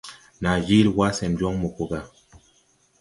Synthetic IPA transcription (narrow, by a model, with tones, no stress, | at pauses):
na˨d͡ʒi˦lwa˦sɛ˨n˨d͡ʒɔ˦ŋmo˨ko˨ɡa˨